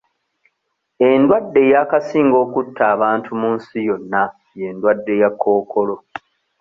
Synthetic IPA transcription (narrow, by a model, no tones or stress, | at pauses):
e̞ndwadːe̞jakasiːŋɡo̞ːkutːaːβaːntʰumunsijo̞nːa | je̞ndwadːe̞jakʰːo̞ːkʰo̞lo̞